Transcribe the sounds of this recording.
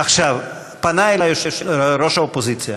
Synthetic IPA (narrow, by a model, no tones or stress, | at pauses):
aχʃav | panajlajoʃeʃɾoʃaopozit͡sja